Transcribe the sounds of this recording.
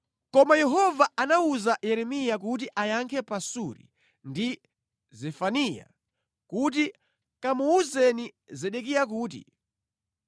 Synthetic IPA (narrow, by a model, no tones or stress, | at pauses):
kɔmajɛɦɔvaanauzajɛɾɛmijak̬ut̬iʔajaŋkʰɛpasuɾḭ | ndi | zɛfanija̰ | kut̬i | kamuuzɛnizɛɗɛkijak̬uːtḭ